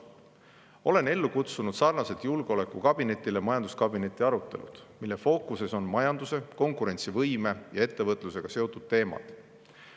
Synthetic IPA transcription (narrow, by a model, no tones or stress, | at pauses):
o̞le̞ne̞lːukut̪sunud̪sɑrnɑse̞t̪julɡ̥eo̞le̞kːˑukɑb̥ine̞t̪ʲːˑilemɑjɑnd̪uskɑbine̞t̪ːˑiɑɾut̪ːˑe̞̰lṵd̪̥milːe̞fo̞ːkuse̞so̞nmɑjɑnd̪̥use̞ko̞ŋkuɾe̞nʲt̪sivɤjme̞jɑe̞t̪ːe̞vɤt̪ːˑluse̞ɡ̥ɑse̞o̞t̪ːˑud̪̥t̪e̞ːmɑ̰t̪